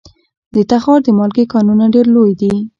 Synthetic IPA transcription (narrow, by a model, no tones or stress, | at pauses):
d̪ət̪axɑɾd̪əmɑlɡekɑnunaɖeɾlojd̪i